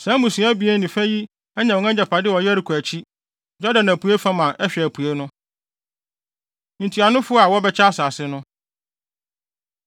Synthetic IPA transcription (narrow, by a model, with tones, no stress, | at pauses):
sã˨˦mũ˨sũ˨˦æ˦bi˨e˦nĩ˨fæ̃˦ji˦ | ɛ˦ɲã˨wɔ˨˦ã˦d͡ʑa˨pʰa˨dɪ˦wɔ˨jɛ˦ɾi˨kʰu˨æ˨t͡ɕʰi˦ | d͡ʑɔ˦dã˨næ˨pʰu˨e˦fã˦mã˨ʔɛ˦ɕᶣɛ˨æ˨pʰu˨e˦nʊ̃˦ | ɲĩ˨tʰi˨a˨nʊ̃˦fʊ˦ɔ˦a˨wɔ˦bɛ˦t͡ɕʰa˦a˦sa˨sɪ˦nʊ̃˦